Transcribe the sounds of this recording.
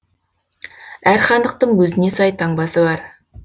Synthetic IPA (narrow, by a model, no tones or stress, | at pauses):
æɾχɑnd̪əq̚t̪əɴwɵzɪne̞sɑjt̪ʰɑɴbɑsəbɑɾ